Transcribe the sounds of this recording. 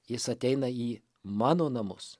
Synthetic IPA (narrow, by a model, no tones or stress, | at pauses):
jɪsɐt̪ʲɛɪnɐiː | mɑːnoːnɐmʊ̰s